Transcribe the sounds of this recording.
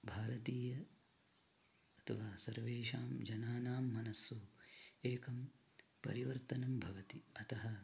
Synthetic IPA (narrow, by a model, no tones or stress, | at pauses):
bʱaːɾɐt̪iːjɐ | ɐt̪ʰɐʋaːsɐɾʋeːʃaːmd͡ʒɐnaːnaːmːɐnɐsːuːeːkɐmpɐ̰ɾiʋɐɾt̪ɐnɐmbʱɐʋɐt̪iɐt̪ɐɦɐ